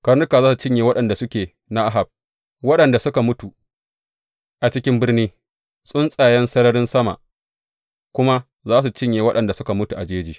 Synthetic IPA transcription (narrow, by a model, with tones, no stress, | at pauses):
kɐ˦rnʊ˦ka˨zaː˦su˨t͡ʃɪ˦ɲjeː˨wɐ˦ɗɐ˨nda˨sʊ˦kʲeː˨ | na˦ʔa˦ɦa˨b̚ | wɐ˦ɗɐ˨nda˨sʊ˦ka˨mʊ˦tu˨ | ʔa˨t͡ʃɪ˦kʲɪ˦mbɪ˦rniː˦ | sʼʊ˦nsʼaː˨jɛ˦nsɐ˦ɾɐ˦ɾɪ˦nsɐ˦ma̰˨ʔ | kʷʊ˦ma˦ | zaː˦s̬u˨t͡ʃɪ˦ɲjeː˨wɐ˦ɗɐ˨nda˨sʊ˦ka˨mʊ˦tu˨ʔa˨d͡ʒeː˦d͡ʒiː˨